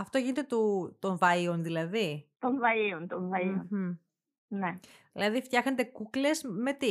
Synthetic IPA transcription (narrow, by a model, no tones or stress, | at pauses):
ɐft̪o̞ʝinet̪e̞t̪ot̪o̞ɱvɐionðilɐðit̪oɱvɐiont̪oɱvɐion̩ | ne̞ | ðilɐðift̪çɐxnet̪e̞kukle̞zme̞t̪i